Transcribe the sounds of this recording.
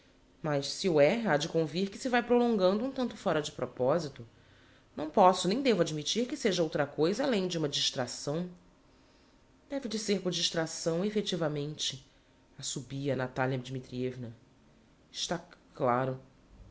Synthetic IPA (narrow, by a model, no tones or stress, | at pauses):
mɐʃsiʊɛad͡ʒɪkõviɾkɪsɪvajpɾolõŋɡɐ̃nd̪ʊũt̪ɐ̃nt̪ʊfɔɾɐd͡ʒɪpɾopɔzit̪ʊ | nɐ̃w̃pɔsʊnẽj̃d̪evʊad͡ʒmit͡ʃiɾkɪseʒɐowt̪ɾɐkojzɐːlẽj̃d͡ʒɪũmɐd͡ʒiʃt̪ɾasɐ̃w̃ | d̪̥ɛvɪd͡ʒɪseɾpʊɾd͡ʒiʃt̪ɾasɐ̃w̃efet͡ʃivɐmẽnt͡ʃɪ | ɐsubiɐnat̪aljɐd͡ʒimit̪ɾievnɐ | ɪʃt̪aklaɾʊ